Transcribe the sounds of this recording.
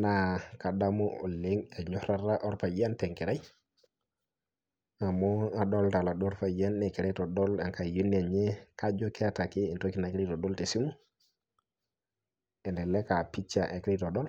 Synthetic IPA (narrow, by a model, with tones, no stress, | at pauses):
na˨ka˨da˦mu˦o̰˨le˦ŋe˨ɲɔ˦ɾa˦ɾa˦ʔo˦ɾpa˨ja˦nte˨ŋke˨ɾa˦j | a˨mɔ˦a˨ɗo˦lta˨la˨ɗɔ˦ɾpa˨ja˦ne˨kɛ˨ɾe˦to˨dɔ˦la˨ŋka˨ju˦n˦e˨ɲe˦ka˦d͡ʒo˦ke˦a˦ta˨ki˦i˨nto˦ki˦na˨kɾi˦to˨do˦lte˨si˦mu˦ | e˨ndɛ˨le˦ka˨pi˦t͡ʃa̰˨ʔe˨kɾe˦to˨dɔ˦l